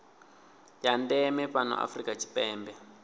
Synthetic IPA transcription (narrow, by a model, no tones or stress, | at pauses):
jandɛmɛpanɔ̰ʔa̰frikat͡ʃi̥pɛːmbɛ